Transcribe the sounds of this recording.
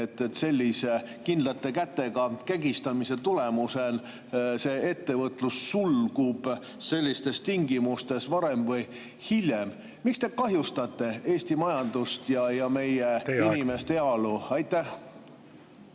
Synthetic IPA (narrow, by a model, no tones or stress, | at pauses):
et̪ːˑet̪se̞lʲːise̞ | kind̪lɑt̪ːˑe̞kæt̪ːe̞ɡ̥ɑkæɡist̪ɑmise̞t̪ule̞musen | se̞ːe̞t̪ːe̞vɤt̪ˑlusːulɡ̥ub̥ | se̞lʲːist̪e̞st̪iŋɡimust̪e̞svɑɾe̞mvɤj | hilʲjem | mikst̪e̞kɑɦjust̪ɑt̪ːˑe̞e̞ːsʲt̪imɑjɑnd̪̥ust̪jɑjɑme̞jeinime̞st̪eɑluɑjt̪ːæh